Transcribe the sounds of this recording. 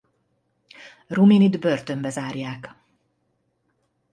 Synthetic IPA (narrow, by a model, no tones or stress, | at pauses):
ruminid̪børt̪ø̞mbɛzaːrjaːk